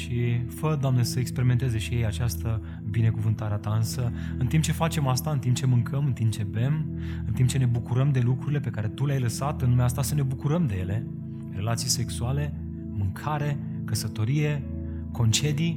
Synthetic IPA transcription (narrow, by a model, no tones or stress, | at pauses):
ʃifəd̪oamnesəekspe̞ɾiment̪ezeʃije̞jat͡ʃast̪ə | bine̞kuvɨnt̪aɾeat̪aɨnsə | ɨnt̪imp̚t͡ʃe̞fat͡ʃe̞mast̪aɨnt̪imp̚t͡ʃe̞mɨŋkʰəmɨnt̪imp̚t͡ʃeve̞m | ɨnt̪imp̚t͡ʃe̞ne̞bukuɾəmd̪e̞lukɾuɾile̞pe̞kaɾe̞t̪uleajləsat̪ɨnnumeaast̪asəne̞bukuɾəmd̪e̞je̞le̞ | re̞lat̪sijse̞ksuale̞ | mɨŋkʰaɾe̞ | kəsət̪o̞ɾije̞ | ko̞nt͡ʃe̞d̪i